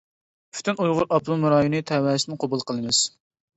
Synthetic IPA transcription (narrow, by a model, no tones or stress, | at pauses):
pʰy̥t̪ʰynujʁʊɾʔɑplˠumɨɾɑːjunɨt̪ʰɛwɛːsɪnqʰobulˠqʰəlˠɨmɨz̥